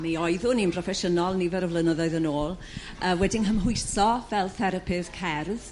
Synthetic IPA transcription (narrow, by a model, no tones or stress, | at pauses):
miɔɨðʊninmpʰr̥ɔfɛʃənɔlˠnivɛɾɔvlənəðɔɨðənoːlˠ | əwɛdɪŋɦəmɦʊɨsɔvɛlˠθɛɾəpʰɨðkʰɛrð